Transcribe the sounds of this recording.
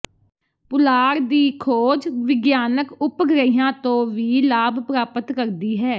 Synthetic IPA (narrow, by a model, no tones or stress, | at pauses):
pʊlaːɾd̪iːkʰoːd͡ʒʋɪɡjaːnəkʊpɡɾəijãːt̪õːʋiːlaːbpɾaːpət̪kəɾd̪iːɦɛː